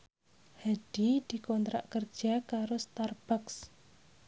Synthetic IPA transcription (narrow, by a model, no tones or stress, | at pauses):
had̥id̪̥i̤kɔnt̪ɾa̰ʔkər̥d͡ʒ̥akaɾʊst̪arb̥aks